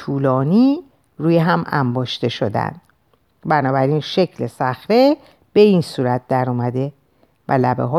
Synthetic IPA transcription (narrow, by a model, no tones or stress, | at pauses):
uːlɒːniː | ɾuːjeɦæmæ̰mbɒːʃt̪e̞ʃo̞d̪æ̰nd̪̥ | bænɒːbæɾinʃe̞cʰlesæxɾe̞ | b̥e̞insuːɾæt̪̚d̪æɾɔːmæd̪e̞ | væ̰læbeɦɒː